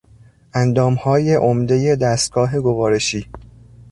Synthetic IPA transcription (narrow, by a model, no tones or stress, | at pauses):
ʔænd̪ɒːmhɒːje̞ʔomd̪e̞je̞d̪æst̪̚ɡ̥ɒːɦeɡovɒːɾe̞ʃiː